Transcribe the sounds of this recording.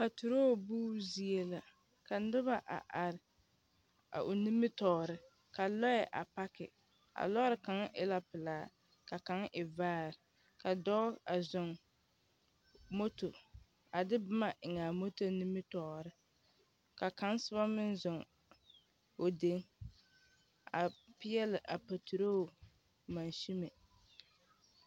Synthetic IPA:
pa˨tu˨ɾoː˦˨buː˦zi˦e˦la˨ | ka˨nɪ˦βa˨ʔa̰˨ʔa˨ɾɪ˨ | a̰˨ʔo˨ni˦mːɪ˦tɔː˨ɾɪ˨ | ka˨lɔ˦jɛ˨ʔa̰˨pa˦kɪ̰˨ | a̰˨lɔ˦ɾɪ˨ka˨˦ŋʔɪ̰˦la˦pɪ˨laː˨˦ | ka˨ka˦ŋʔɪ˨vaː˦˨ɾɪ˨ | ka˨dɔː˦a˨zʊ˨ŋ | mo˦to˨ | a˨dɪ˦bɪ˦ma˨ʔɪ˨ŋaː˨mo˦to˦ni˦mɪ˦tɔː˨ɾɪ˦ | ka˨ka˦n˦sɨ˦βa˦mɪ˦nzʊ˨ŋ | o˨de˨˦ŋ | a˨pɪ˦jɛ˦lɪ˨ʔa˨pa˨tʰu˨ɾo˦˨ | ma˨nʃi˦me˨

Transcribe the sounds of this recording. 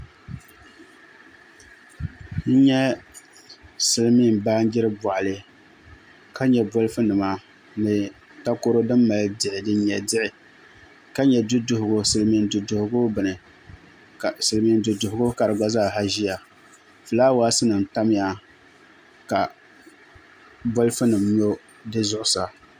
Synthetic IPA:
n̩˦ɲɛ˦ | sɨ˨lɨ˦mi˦˨mbaː˦nɡɪ˦ɾɨ˦bɔ˨ʔa˨lɨ˨ | ka˦ɲɛ˨bɔ˦lɨ˦fɨ˦nɨ˨ma˦ | nɨ˨ | ta˦ko˦ɾo˦dɨ˦mːa˨ldɪ˨ʔɪ˨dɨ˦ɲɛ˨dɪ˦ʔɪ˨ | ka˦ɲɛ˨dʊ˦dʊ˨hʊ˨ɡʊ˦sɨ˨lmi˦n˦du˨dʊ˨hʊ˦ɡʊ˦bɨ˨nɨ˨ | a˨sɨ˨lmi˦n˦dʊ˨dʊ˨hʊ˨˦ɡʊ˦ka˨ɾɨ˨ɡ͡ba˦zaː˦˨ɦa˦ʒi˦ja˨ | fɨ˨laː˦waː˦sɨ˦nɨ˨n˨ta˦m˦ja˦ | ka˨ | bo˦lɨ˦fɨ˦nɨ˨mɲo˦ | dɨ˦zʊ˦ʔʊ˦sa˨

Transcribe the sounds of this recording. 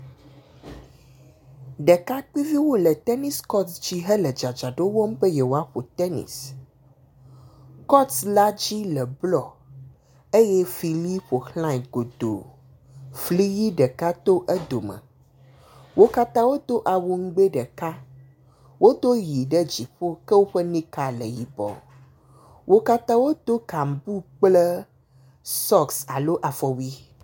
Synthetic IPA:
ɖɛ˨ka˦k͡pi˦vi˦wo˦lɛ˨t̪ɛ˦ni˦skɔ˦t̪sd͡ʑi˦ɦɛ˦lɛ˨d͡ʒa˨d͡ʒa˨ɖo˦wɔ˦m˦ɸe˦jɛ˨wo˦a˦ɸo˨t̪ɛ˦nḭ˨s | kɔ˦t̪sla˦d͡ʑi˦lɛ˨blɔ˨ | e˦jɛ˦fi˨li˦po˨xlã˦i˨ɡo˨d̪o̰˨ | fli˦ji˦ɖə˨ka˦t̪o˦ʔɛ˦d̪o˨mə̰̃˨ | wo˦ka˦t̪ã˦wo˦t̪o˦ʔa˨wo˨ŋ̩˦ɡ͡be˦ɖə˨ka˦ | wo˦t̪o˦ji˨ɖə˦d͡ʑi˨ɸo˦kə˦wo˦ɸə˦nĩ˦ka˦lə˨ji˨bɔ̰˨ | wʔo˦ka˦t̪ã˦wo˦t̪o˦ka˨m˨bu˦k͡plə˦ | sɔ˦ksa̰˨lo˦ʔa˨fɔ˨wi˦

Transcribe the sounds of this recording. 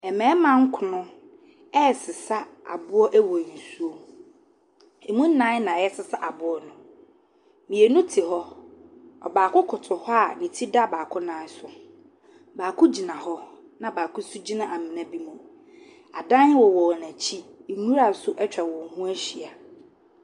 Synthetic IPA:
ɛ˨mɛ̃ː˨˦mã˦ŋ̩˦kʰʊ˨nʊ̃˦ | ɛ˦˨sɪ˨sa˦a̰˨bʊ˦ɔ˦ʔæ˦wɔ˨n̩˨su˦o˦ | e˨mũ˦n̩ː˦ã˨˦nã˨jɛ˦sɪ˦sa˦ʔa˨bʊ˦ɔ˦nʊ̃˨ | mĩ˨e˨nũ˦tʰɪ˨hɔ˦ | ɔ̰˨baː˨kʊ˦kʰʊ˨tʰʊ˨hɔ˦a˨nĩ˨tʰi˦da˦˨baː˨kʰʊ˦nã˨˦sʊ˨ | baː˨kʰʊ˦d͡ʑi˨nã˨hɔ˦ | nã˨baː˨kʊ˦su˦d͡ʑi˦nã˨ʔa˨mɪ̃˨nã˦bi˦mũ˨ | a˨dã˦n˦wɔ˨wɔ˨næ̃˨t͡ɕʰi˦˨nũ˦ɾa˨˦sʊ˦ʔɛ˦t͡ɕᶣa˨wɔ̃˨ŋ˨hũ˦æ˦ɕi˨a˨

